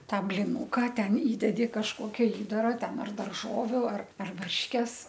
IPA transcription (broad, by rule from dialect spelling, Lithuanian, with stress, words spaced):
ˈtɑː bʲlʲɪˈnʊkɐ ˈtʲɛn ˈiːdʲɛdʲɪ kɐʃˈkoːkʲɛ ˈiːdɐrɐ ˈtʲɛn ɐr dɐrˈʒoːʋʲʊ ɐr ɐr ˈʋɐrʲʃʲkʲɛs